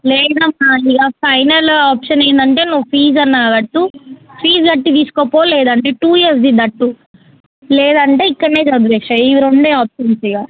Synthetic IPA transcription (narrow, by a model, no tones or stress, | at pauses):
lɛːd̪ɐmaiɡaːpʰɐjnɐlaːpʂɐnɐjnd̪ɐɳʈe̞ːnuʋːupʰiːd͡ʒɐnːaːɡɐʈːupʰɾiːd͡ʒɡɐʈːit̪̬iːsu̥koːpoːlɛːd̪ɐɳʈeːʈuːjiɐɾs̬d̪id̪ɐʈːu | lɛːd̪ɐɳʈe̞ːikːɐɽneːt͡ʃɐd̪ubɛkʂɐiʋɾoɳɖeːaːpʃɐnt͡ʃɐɡaː